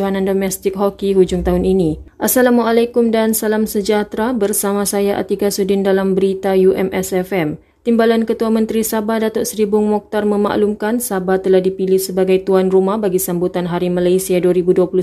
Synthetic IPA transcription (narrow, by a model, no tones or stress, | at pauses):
uɦanandomɛst̪ɪk̚ɦɔkiɦud͡ʒʊŋt̪aɦʊniniʔasalamwaʔalakʊmdansalamsəd͡ʒat̪ɾabərsamasajaʔa̰t̪iɡasudɪndalambəɾit̪ajuʔɛmɛsɛfɛm | t̪imbalankət̪uamə̃nt̪ɾisabadat̪ɔʔsɾibʊŋmɔk̚t̪arməma̰ʔlumkansabat̪əlahdipilɪhsəbaɡajt̪uanrumahbaɡisambut̪anɦaɾimalajsiaduaɾibuduapulu